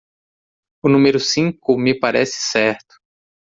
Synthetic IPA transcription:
ʊnũmeɾʊsĩŋkʊmɪpaɾɛsɪ̥sɛɾt̪ʊ̥

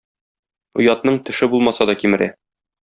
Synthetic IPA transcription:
ŭjɑt̪nɤɴt̪ɵ̆ʃɘbulˠmɑsɑd̪ɒkimɘ̆ɾʔæ̰

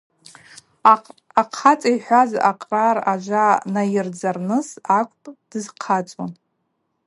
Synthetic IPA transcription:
aqʰat͡sʼaiħʷazʔaqʼraraʒʷanajɪrd͡zarnɨsakʷʼpʼd̥ɨzqʰat͡sʼwa̰n

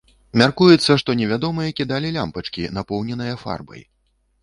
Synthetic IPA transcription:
mʲarkujɛt̪sːɐʂt̪ɔnʲɛvʲad̪ɔmɨjɐkʲid̪alʲilʲampɐt͡ʂkʲinapɔwnʲɛnɨjɐfa̰rbɐ̰j

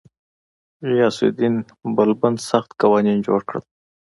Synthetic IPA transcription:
ijɑsḭd̪in | bəlbənsaxt̪kawɑnind͡ʒoɽkɽə̰l

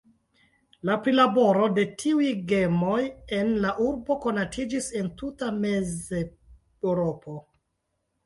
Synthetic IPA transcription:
lapɾilabo̞ɾo̞de̞tʰiujɡe̞mo̞je̞nlaʔuɾbo̞ko̞natʰid͡ʒisentutame̞ze | ɾo̞po̞

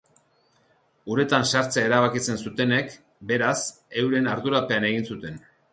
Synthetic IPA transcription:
uɾe̞t̪ansaɾt͡seae̞ɾaβ̞akit͡se̞nsut̪e̞ne̞k | be̞ɾas | e̞wɾe̞naɾðuɾape̞ane̞ɣinsut̪e̞n

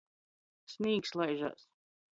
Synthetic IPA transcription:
smiːkslˠajʒa̰ːs

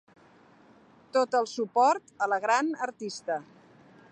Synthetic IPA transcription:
t̪ot̪əlˠsupɔɾt̪ələɣɾanəɾt̪ist̪ə

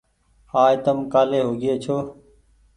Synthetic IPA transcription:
haːet̪əmkaːleːɦoːɡeːt͡ʃʰoː

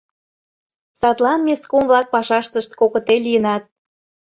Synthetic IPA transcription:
sɑt̪lɑnmʲeskomvlɑk̚pɑʃɑʃt̪əʃt̪̚kokə̆t̪elʲijənɑt̪̚

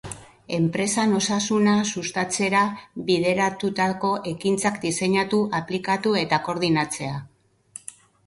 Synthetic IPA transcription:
e̞mpɾe̞sano̞sasunasust̪at͡se̞ɾaβið̞e̞ɾat̪ut̪ako̞ʔe̞kint͡sakd̪ise̞ɲat̪uʔaplikat̪ue̞t̪ako̞ɾðinat͡se̞a

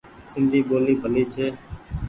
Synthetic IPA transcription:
sɪnd̪ʱiːɓoːliːbʱəliːt͡ʃʰeː

